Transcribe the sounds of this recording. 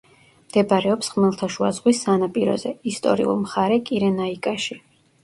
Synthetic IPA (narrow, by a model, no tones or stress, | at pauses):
md̪̥ɛbaɾɛɔpsχmɛlˠt̪ʰaʃua̰zʁwisːanapʼiɾɔ̰zɛist̪ʼɔ̰ɾḭṵlˠmχaɾɛkʼiɾɛnaikʼaʃi